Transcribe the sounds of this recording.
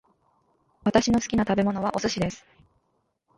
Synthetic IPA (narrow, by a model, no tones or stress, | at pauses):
βat̪aɕino̞sɨ̥kʲinat̪abe̞mo̞no̞β̞aʔo̞sɨɕid̪e̞sɨ̥